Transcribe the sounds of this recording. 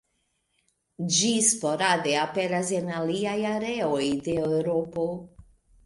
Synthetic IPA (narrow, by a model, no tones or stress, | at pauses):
d͡ʒispoɾad̪eapeɾaz̬enaliajaɾeojd̪eoɾopo